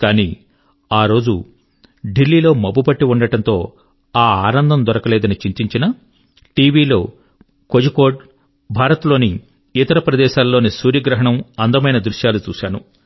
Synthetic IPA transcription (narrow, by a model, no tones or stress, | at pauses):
kaːniː | aːɾo̞ːd͡ʒu | ɖilːiːloːmɐbːubɐʈːiuɳɖɐʈɐnt̪o̞ː | aːaːnɐnd̪ʱɐmd̪ɔɾɐkɐlɛːd̪ɐnit͡ʃiɲt͡ʃiɲt͡ʃinɐ | ʈiːʋiːlo̞ː | kod͡ʒiko̞ːɖ | bʱaːɾɐt̪lo̞ːni | it̪ɐɾɐpɾɐd̪ɛːʃaːlːo̞ːnisuːɾjɐɡɾɐɦɐɳɐmɐnd̪ɐmɐjnɐd̪ɾuʂjaːlut͡ʃuːʃaːnu